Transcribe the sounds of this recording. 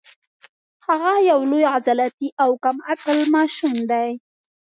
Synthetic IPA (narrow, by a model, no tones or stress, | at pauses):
haɣajawlʊjazalat̪iʔawkamakalmaʃʊnd̪aj